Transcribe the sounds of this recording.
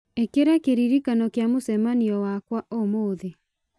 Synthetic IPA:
ekeɾakeɾiɾikanɔkjamosɛmaniɔwakwaʔomoðe

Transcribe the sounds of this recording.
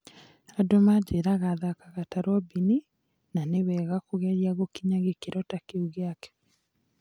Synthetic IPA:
adomad͡ʒeɾaɣaðakaɣataɾwɔbini | nanewɛɣakoɣɛɾjaɣokiɲaɣekeɾɔtakeuɣeakɛ̥

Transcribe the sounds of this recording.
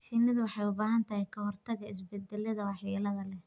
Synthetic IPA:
ʃiːnɐðɐwɑħɑjʊbaːɦɐnt̪ʰɐhɛjkʰɐhɔrt̪ʰɐɣɐɪs̬bɛd̪ːɛlɐðɐwɑħjilɐðɐlɛ

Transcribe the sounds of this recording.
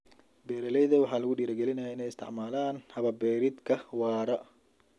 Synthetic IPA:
bɛːɾɐlɛjðɐwɑħɑːlɐɣʊɖiːɾɐɡɛlɪnɐjaːɪnɛjɪst̪ʰɪ̰ʕmaːlaːnhɐβɐbɛːɾɪd̪kʰɐwɑːɾɐ

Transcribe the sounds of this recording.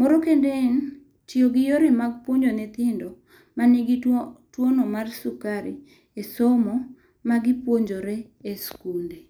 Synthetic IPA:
moɾokenden | t͡ʃioɡɪjoɾemaɡ̚pwoɲd͡ʒonɛt̪ɪndɔ | maniɡitwonomarsukaɾɪ̰ | esɔmɔ | maɡɪpwoɲd͡ʒoɾe | eskunde

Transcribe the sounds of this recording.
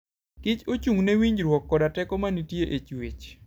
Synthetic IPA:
ɡ̥ɪt͡ʃot͡ʃuŋnewiɲd͡ʒɾwɔkːɔdatɛkɔmanitjeʔet͡ʃwet͡ʃ

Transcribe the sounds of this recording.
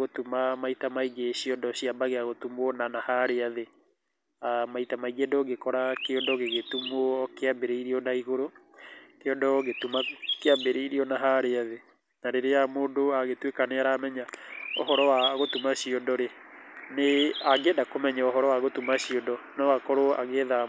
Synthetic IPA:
ɣotumamaitamaiɡeɕiɔndɔɕiabaɣeaɣotumɔnanahaɾeaðe | amaitamaiɡendɔɡekɔɾakeɔndɔɣeɣetumwɔkeabeɾeiɾiɔnaiɣoɾo | keɔndɔɣetumakeabeɾeiɾiɔnaɦaɾeaðe | naɾeɾeamoːndoaɣetwekaneaɾaːmɛɲaɔɦɔɾɔwaɣotumaɕiɔndɔɾeneaɡeːndakomɛɲɛɔɦɔɾɔwaɣotumaɕiɔdɔnɔakɔɾoa̰ɣeða

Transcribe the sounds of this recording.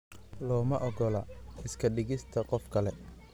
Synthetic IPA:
lɔːmɐʔɔɡɔlɐɪskʰɐɖɪɣɪst̪ʰɐqɔfkʰɐlɛ

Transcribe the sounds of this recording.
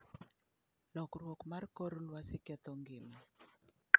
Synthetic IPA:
lɔkɾwɔkmarkɔɾɔlwasɪkɛt̪ɔŋɡɪma

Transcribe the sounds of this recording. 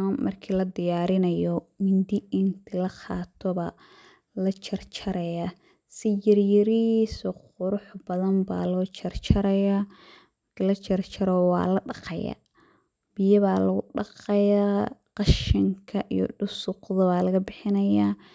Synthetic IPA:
mmʔɐrkʰiːlɐd̪ɪjaːɾɪnɐjɔmɪnd̪ɪɪnt̪ʰɪlɐqɑːt̪ʰɔβɐ | lɐt͡ʃʰɐrt͡ʃʰɐɾɐja | sɪjɐrjɐɾisɔqʊɾʊħbɐðɐmba̰ːlɔːt͡ʃʰɐrt͡ʃʰɐɾɐjaː | mɐrkʰilɐt͡ʃʰɐrt͡ʃʰɐɾɔwɑ̰ːlɐɖɑqɑ̰ja̰ | bɪjɐβaːlɐɣʊɖɑqɑjaqɑʃɪŋkʰɐʔḭjɔ̰ɖʊsʊqðɐβaːlɐɣɐbɪħɪnɐjaː

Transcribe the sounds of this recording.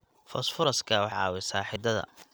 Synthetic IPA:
fɔsfʊɾɐskʰɐwɑħɑ̰ːwɛsaːħɪd̪ɐðɐ̰

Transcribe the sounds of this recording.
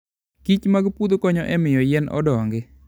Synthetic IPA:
kit͡ʃmaɡpud̪okɔɲɔʔɛmɪjɔjɛnʔɔ̰dɔŋɡɪ

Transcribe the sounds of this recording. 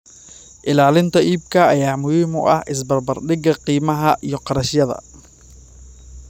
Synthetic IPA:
ʔɪlaːlɪnt̪ʰɐʔiːb̚kʰɐɐjaːmʊhiːmʊ̰ʔɐhʔɪs̬bɐrbɐrɖɪɡɐqiːmɐɦɐʔijɞqɑɾɐʃjɐðɐ̰

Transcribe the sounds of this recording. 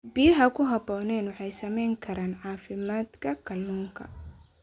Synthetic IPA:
bɪjɐɦɐkʰʊɦɐbɔːnɛːnwɑħɑjsɐmɛjŋkʰɐɾaːnʕɑːfɪmaːd̪kʰɐkʰɐlːuːŋkʰɐ̰

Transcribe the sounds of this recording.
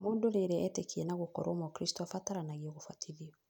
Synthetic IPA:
modoleɾeetekʰenaɡukɔ̰ɾomɔkɾisi̥tofataɾanaɡioɡufatilio

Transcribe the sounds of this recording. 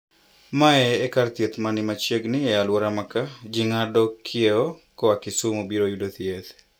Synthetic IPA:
maɛːkart̪jet̪manɪmat͡ʃjeɡnɪɛalwɔɾamakad͡ʒɪŋadɔkʰɪeɔkɔakɪsumobiɾojudot̪jet̪

